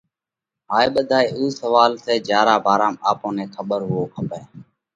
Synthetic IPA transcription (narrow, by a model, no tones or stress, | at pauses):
ɦaːeːɓəd̪ʱaːeːuːsəʋaːlseːd͡ʒjaːɾaːbʱaːɾaːmaːpõːneːkʰəɓəɾɦʊoːkʰəpẽː